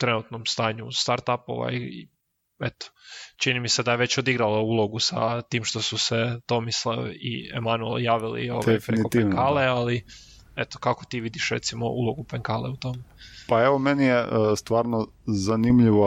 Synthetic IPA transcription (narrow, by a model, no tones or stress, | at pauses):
t̪ɾe̞nut̪no̞mst̪aːɲust̪aɾt̪apo̰ʋa̰ji | et̪o̥t͡ʃinimise̞d̪ajeʋe̞t͡ɕod̪iɡɾalauːlˠo̞ɡusa̰t̪iːmʃt̪o̞suse̞t̪o̞mislaʋḭḛmanuḛljaːʋilḭo̞̰ʋejffenikot̪eŋkalleali | et̪o̥kako̞t̪iːʋid̪iʃɾḛt̪simo̰ʔṵlˠo̞ɡupeŋkaːleut̪o̞mepaeʋomenijest̪ʋaːɾno | zanimʎiʋo